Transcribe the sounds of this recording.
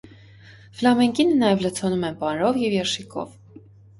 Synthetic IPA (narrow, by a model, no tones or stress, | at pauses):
flɑmɛŋkinənɑjɛvlət͡sʰɔnumɛnpɑnɾɔvjɛvjɛɾʃikʰɔ̰v